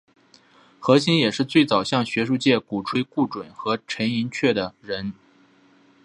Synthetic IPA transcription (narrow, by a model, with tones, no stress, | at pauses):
xɤ˧˥ɕi˥njɛ˨˩ʂɻ̩˥˧t͡swe˥˩ɪt͡sɑ˨˩ʊɕjɑ˥˩ŋɕɥɛ˧˥ʂu˥˧t͡ɕjɛ˥˩ku˨˩ʈ͡ʂʰwe˥ɪku˥˩ʈ͡ʂwə˨˩nxɤ˧˥ʈ͡ʂʰə˧˥ni˧˥ŋt͡ɕʰɥɛ˥˩d̪ə˩ɻə˧˥n